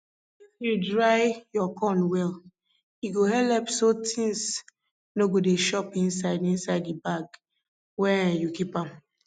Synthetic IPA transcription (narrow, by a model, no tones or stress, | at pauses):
fjudɹaɪjɔkʰɔ̃nwɛl | iɡohɛlɛpsotĩŋs | noɡodeʃɔpĩnsaɪdĩnsaɪdibaɡ | wɛjukipãm